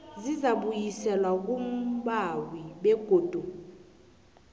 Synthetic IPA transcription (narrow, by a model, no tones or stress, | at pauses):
zizaɓujisɛlwak̬ʼumɓawiɓɛɡ̥ʱoːd̥ʱu